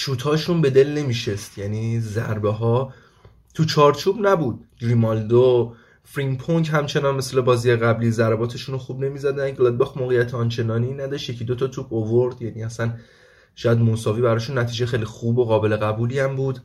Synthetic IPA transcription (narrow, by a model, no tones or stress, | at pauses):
ʃuːt̪ʰɒːʃunbe̞d̪e̞lne̞miːʃest̪jæniːzæɾbeɦɒː | t̪ʰut͡ʃʰɒːɾt͡ʃʰuːbnæbuːd̪̥̚ɡɾimɒld̪o | fɾinpʰoŋkɦæmt͡ʃʰe̞nɒnme̞slebɒːzijeɣæbliːzæɾbɒːt̪ʰe̞ʃunoxuːbne̞miːzæd̪ænɡlɒd̪̚bɒxmoːɣejæt̪ʰeɒnt͡ʃʰe̞nɒːninæd̪ɒʃt̪je̞cʰid̪ot̪ʰɒt̪ʰupʰovoɾd̪jæniːæsæn | ʃɒjæd̪mosɒːviːbæɾɒːʃunːæt̪ʰiːd͡ʒejexejlixuːbo̞ɣɒːbe̞le̞ɣæbuːliæmbuːd̪̥